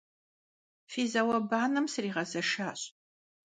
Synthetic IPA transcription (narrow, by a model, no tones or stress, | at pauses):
fiːzɐwɐbaːnɨmsɨriːʁɐzɐʃaːɕ